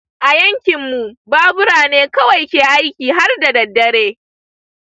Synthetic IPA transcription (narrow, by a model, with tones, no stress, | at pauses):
ʔa˨jɐ˦ŋkʲɪ˨mːu˨baː˦bʊ˦ɽaː˨neː˦kɐ˦wa˨jkʲeː˨ʔa˦jkʲiː˨ɦa˦rda˨dɐ˨dːɐ˦ɽeː˦